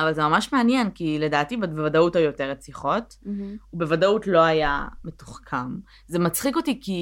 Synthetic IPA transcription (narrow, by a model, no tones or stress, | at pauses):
avalzemamaʃmeanjenkile̞daːtibaevadautajo̞te̞ʁet͡siχo̞t | ubevadautlo̞ajame̞tu̥χkʰam | ze̞mat͡sχiko̞tiki